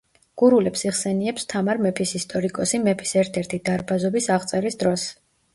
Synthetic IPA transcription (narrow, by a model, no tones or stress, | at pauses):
ɡ̥uɾulɛpsiʁsɛniɛpst̪ʰamaɾmɛpʰisist̪ʼɔɾikʼɔsimɛpʰi̥sɛɾt̪ʰɛɾt̪ʰid̪aɾbazɔbisaʁt̪sʼɛɾisd̪ɾɔs